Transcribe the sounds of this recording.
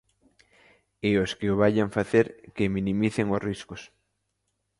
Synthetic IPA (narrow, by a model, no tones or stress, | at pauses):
ɪoskɪoβaʎaɱfaθeɾkeminĩmiθeŋosriskos